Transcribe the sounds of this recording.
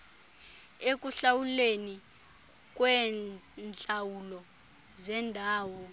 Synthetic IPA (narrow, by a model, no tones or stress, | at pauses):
ek̬ʼuɬawuleni | k̬ʼwɛnt͡ɬʼawulɔ | zɛndʱaːwɔ